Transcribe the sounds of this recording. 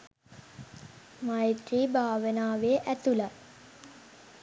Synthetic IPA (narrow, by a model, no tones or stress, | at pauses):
majt̪ɾiːbʱaːʋənaːʋeʔæt̪ula